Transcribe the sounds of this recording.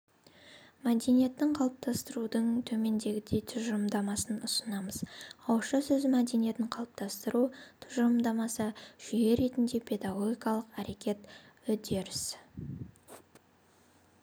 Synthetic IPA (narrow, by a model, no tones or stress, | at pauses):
mæd̪e̞nije̞t̪ːɪɴqʰɑlˠəp̚t̪ʰɑst̪əɾud̪əɴt̪ʰɵme̞nd̪e̞ɡʲɪd̪e̞jt̪ʰʊʒəɾmd̪ɑmɑsənʊsənɑməzɑwʃəsɵzmæd̪e̞nije̞t̪ɪɴqʰɑlˠəp̚t̪ʰɑst̪əɾut̪ʰʊʒɾmd̪ɑmɑsəʒ̥ʏje̞ɾe̞t̪ɪnd̪e̞pʰe̞d̪aɡo̞ɡʲijkɑlˠəqæɾe̞kʲe̞t̪ʏd̪e̞ɾɪs